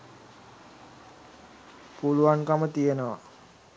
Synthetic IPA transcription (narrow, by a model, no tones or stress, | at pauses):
puluankamət̪iənəʋa̰